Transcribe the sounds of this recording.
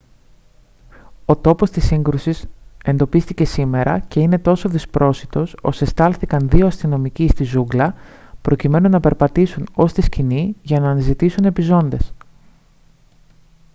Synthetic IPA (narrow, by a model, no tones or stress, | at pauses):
o̞t̪o̞po̞st̪isiŋɡɾusise̞nd̪o̞pist̪ice̞sime̞ɾɐ̰ce̞ine̞t̪o̞so̞ðispɾo̞sit̪o̞so̞se̞st̪ɐlθikɐnðioɐst̪ino̞micist̪izuɡlɐpɾo̞cime̞nunɐpe̞ɾpɐt̪isuno̞st̪isciniʝɐnɐːnizit̪isune̞pizo̞nd̪e̞s